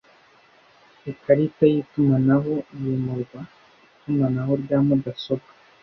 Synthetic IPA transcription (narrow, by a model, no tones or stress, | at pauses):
ekaɾitajit̪umanaɦojimuɾɡa | it̪umanaɦoɾɟaːmud̪asoɡḁ